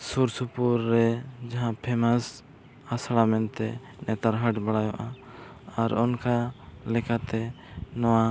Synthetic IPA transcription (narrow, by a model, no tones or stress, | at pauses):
suɾsupuɾːɛd͡ʒaɦãpʰɛmas | asɽamɛnt̪ɛ | nɛt̪aɾɦaʈbaɽajɔʔa | aɾɔnkalɛkat̪ɛ | nɔwa